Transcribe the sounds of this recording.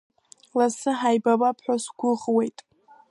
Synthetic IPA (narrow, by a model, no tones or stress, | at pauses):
lasɨħajbabapʰħʷᶣasɡʷʊʁwejtʼ